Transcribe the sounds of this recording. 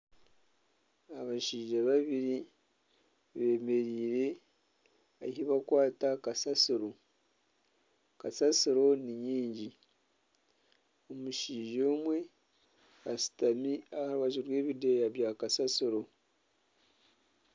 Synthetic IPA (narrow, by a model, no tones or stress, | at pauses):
aβaʃiːʒaβaβiɾi | βe̞me̞ɾiːɾe̞ | aheβakwaːtakasasiɾo̞ | kasasiɾo̞niɲiːɲɟi | omuʃiːʒoːmwe̞ | asi̥tamiahaɾuwaʒiɾwe̞ːβidejaβjakasasiɾo̞